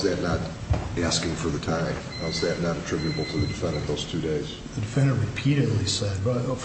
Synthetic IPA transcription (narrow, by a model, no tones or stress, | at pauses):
ðɨtⁿnəɾ | æskɪ̃ŋfə˞ðɨtʰãɪ̃m | əzðɨtⁿnəɾɨtʰɹ̥ɪbjɨɾɨbl̩ˠtʰəðɨdɨfɛ̃ndə˞ðoʊz̥tʰʉdeɪz̥ | ðɨdɨfɛ̃ndə˞ɹɨpʰiɾɨdˡlisɛd̚bʌf